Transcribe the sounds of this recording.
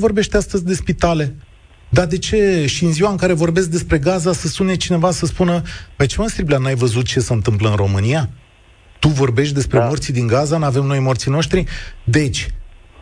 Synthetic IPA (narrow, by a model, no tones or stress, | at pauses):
vo̞rbe̞ʃt̪east̪əzʲd̪e̞spit̪ale̞ | d̪ad̪e̞t͡ʃe̞ʃiɨnziwaɨŋkaɾe̞vo̞rbe̞s̬k̚d̪e̞spɾe̞ɡazasəspune̞t͡ʃine̞vasəspunəmajt͡ʃemənst̪ɾiblʲanajvəzut̪̚t͡ʃe̞səɨnt̪ɨmpləɨnɾo̞mɨnia | t̪uvo̞rbe̞ʃt̪̚ʲd̪e̞spɾe̞mort̪sid̪iŋɡazanave̞mno̞jmort̪sino̞ʃt̪ɾid̪e̞t͡ʃʲ